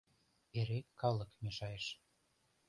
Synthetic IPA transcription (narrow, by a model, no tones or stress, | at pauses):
eɾekːɑlɤ̆kmeʃɑjeʃ